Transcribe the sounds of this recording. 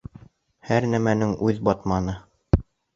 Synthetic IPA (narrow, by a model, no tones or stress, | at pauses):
hæɾnæmænɘŋʉðbɒt̪mɑnɤ